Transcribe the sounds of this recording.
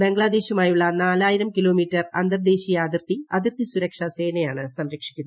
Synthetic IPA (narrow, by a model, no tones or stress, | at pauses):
be̞ŋɡɭaːd̪e̞ːɕumaːjuɭːɐnaːlaːjiɾɐmkiloːmiːtːɐrɐ̰nd̪ɐrd̪e̞ːɕijaːd̪irt̪iɐd̪irt̪isuɾɐkʂɐse̞ːnɐjaːɳɨsɐmɾɐkʂi̥kʲːunːɐ